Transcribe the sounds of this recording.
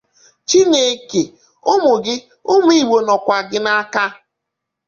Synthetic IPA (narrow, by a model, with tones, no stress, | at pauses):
t͡ʃi˦ɲe˨˦ke˨ | ʊ˦mʊ˨ɡɪ˦ | ʊ˦m˦i˦˨ɡ͡bo˨nɔ˨kʷa˨ɡɪ˦na˦ka˦